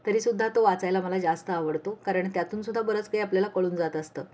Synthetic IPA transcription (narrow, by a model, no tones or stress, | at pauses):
t̪əɾiːsud̪ʱːat̪oʋat͡sajlaməlad͡ʑast̪əaʋəɽt̪okaɾəɳt̪jat̪uːnsud̪ʱːabəɾət͡skaiapljalakəɭuːnd͡zat̪əst̪əː